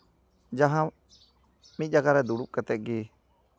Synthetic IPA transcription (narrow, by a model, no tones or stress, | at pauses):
d͡ʒaɦã | mit̪̚ˀd͡ʒaɡaɾɛd̪uɽup̚kət̪ɛʔ̚ɡi